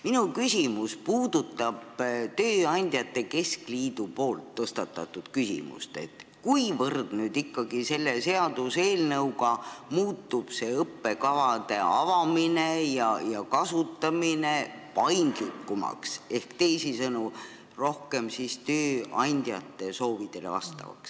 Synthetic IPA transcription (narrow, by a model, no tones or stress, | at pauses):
minukysʲimuspuːd̪̥ut̪ːˑɑb̥t̪øːɑnʲd̪̥ʲjɑt̪ːˑe̞ke̞skliːd̪̥upo̞ːlt̪ːɤst̪ɑt̪ːˑɑ̰t̪ːˑud̪̥kysḭmṵst̪e̞̰t̪kujvɤrd̪̥nyːd̪ikːɑɡise̞lːese̞ɑd̪̥use̞ːlnɤwɡɑmuːt̪ːub̥se̞ɤpːe̞kɑvɑd̪e̞ɑvɑmine̞jɑjɑkɑsut̪ːˑɑmine̞pɑjnd̪̥likːˑumɑ̰kse̞hkt̪e̞jsisɤnu | ro̞hke̞msist̪øːɑnʲd̪̥jɑ̰t̪ːˑe̞so̞ːvid̪̥e̞le̞̰vɑ̰st̪ɑ̰vɑ̰ks